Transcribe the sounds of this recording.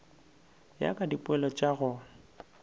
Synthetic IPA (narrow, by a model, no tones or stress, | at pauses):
ja̰kʼadipʼʊɛlɔt͡ʃʼaɣʊ